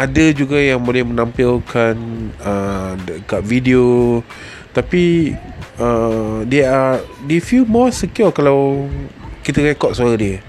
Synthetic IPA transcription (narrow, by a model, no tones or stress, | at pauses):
adəd͡ʒuɡajaŋbolɛhmə̃nãmpilkʰanədəkat̚vidio | t̪api | ədeadefjilmɔsikukalaw | kit̪əɣekɔʔ̪̚saɾadiə